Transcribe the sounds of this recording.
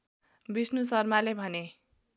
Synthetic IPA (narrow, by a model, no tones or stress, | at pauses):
bisnusʌrmalebʱʌne